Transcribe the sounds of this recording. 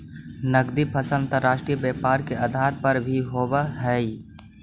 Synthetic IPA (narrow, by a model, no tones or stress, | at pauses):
nəɡd̪ipʰəsə̃nt̪əɾːaːʃʈɾijəbjɛːpaːɾkeʔaːd̪ʱaːɾpɐɾbʱiɦoːbaɦɛi